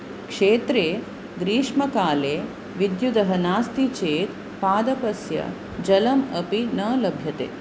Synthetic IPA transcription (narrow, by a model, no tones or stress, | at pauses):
kʂeːt̪ɾeː | ɡɾiːʂmɐkaːleː | ʋid̪jud̪ɐɦɐnaːst̪it͡ʃeːt̪ | paːd̪ɐpɐsjɐ̰ | d͡ʒɐlɐmɐpinɐːlɐbʱjɐt̪ḛː